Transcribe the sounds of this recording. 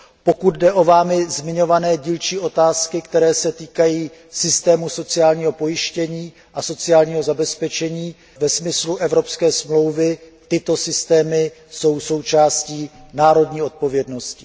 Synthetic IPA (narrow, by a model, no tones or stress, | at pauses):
po̞kud̪̚dɛʔo̞vaːmɪzmɪɲo̞vanɛːɟiːlt͡ʃiːʔo̞t̪aːskɪkt̪ɛɾɛːsɛt̪iːkajiːsɪst̪ɛːmuso̞t͡sɪaːlɲiːɦo̞po̞jɪʃcɛɲiː | ʔaso̞t͡sɪjaːlɲiːɦo̞zabɛspɛt͡ʃɛɲiː | vɛsmɪsluʔɛvɾo̞pskɛːsmlo̞wvɪt̪ɪt̪o̞sɪst̪ɛːmɪ | so̞wso̞wt͡ʃaːsciːnaːɾo̞dɲiːo̞t̪̚po̞vjɛdno̞scɪ̥